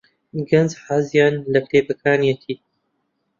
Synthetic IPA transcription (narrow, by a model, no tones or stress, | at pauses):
ɡɐnzħaːzjaːnlɐkt̪eːpɐkʰaːnjɛt̪ʰiː